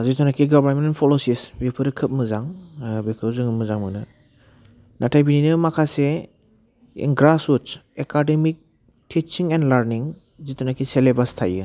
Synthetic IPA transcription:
zitʰɔnakʰiɡɔbaɾmenpʰɔlosisbepʰɯɾɯkʰɯp̚mɯzaŋbikʰɯwzɯŋmɯzaŋmɯnɯ | natʰajbininɯmakʰase | ḭŋɡɾasutsekademik̚ | tʰit͡ʃiŋɛndlaɾniŋ | zitʰɔnakʰiselebastʰajɯ

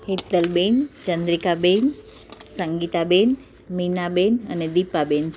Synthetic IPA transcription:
ɦid̪əlbend͡ʒənd̪ɾikaben | səŋɡit̪aben | minabenə̰ned̪ipːaben

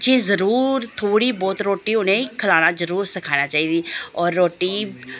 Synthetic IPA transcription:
d͡ʒẽːzəɾuːɾt̪ʰoːɽiːbɔːt̪ɾoːʈiːʊnẽːkʰəlaːnãːd͡ʒəɾuːɾsəkʰaːnaːt͡ʃaːiːd̪iːɔːɾːoːʈiː

